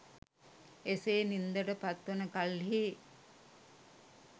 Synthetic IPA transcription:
eseːnind̪əʈəpat̪ʋənəkalɦi

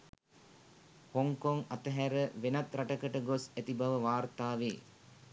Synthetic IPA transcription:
hoŋkoŋat̪əɦæɾəʋenat̪ɾaʈəkəʈəɡosæt̪ibaʋəʋaːrt̪aːʋḛː

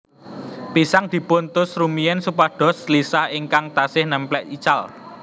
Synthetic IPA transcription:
pisaŋd̪̥i̤punt̪ʊsrumijɛnsupaɖ̪̥ɔ̤slisahɪŋkaŋt̪asɪhnəmplɛʔit͡ʃal

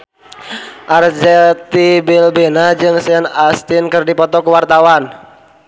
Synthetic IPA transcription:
ʔard͡ʒɛt̪ibilbenad͡ʒɨŋsɛnast̪ɪnkɨrdipɔt̪ɔkəwart̪awan

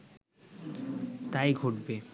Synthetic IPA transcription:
t̪ajɡʱoʈbe

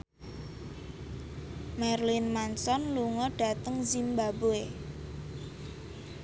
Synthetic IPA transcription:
mɛrlinmansɔnluŋɔɖ̥ä̤t̪əŋzimbaboe

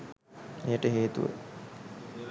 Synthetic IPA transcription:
ejəʈəɦeːt̪ṵʋə̰

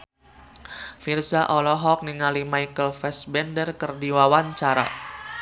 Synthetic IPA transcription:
firsaʔɔlɔɦɔk̚niŋalimaikəlfɛsbɛndərkərdiwawaɲt͡ʃaɾa̰

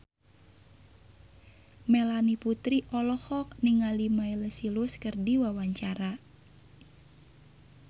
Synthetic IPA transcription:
melaniput̪ɾiʔɔlɔhɔk̚niŋalimailəsiluskərdiwawaɲt͡ʃaɾa

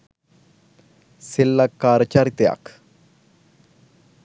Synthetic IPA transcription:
silːakːaːɾət͡ʃaɾit̪ja̰k

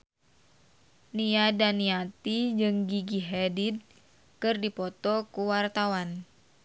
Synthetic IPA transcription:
niadaniat̪id͡ʒɨŋɡiɡiɦɛdid̪̚ | kɨrdipɔt̪ɔkuwart̪awan

